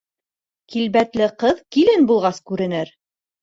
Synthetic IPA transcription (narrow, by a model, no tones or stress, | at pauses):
kilβæt̪lɘqɤðkilɘnbulˠʁɑskʉɾɘ̆nɘɾ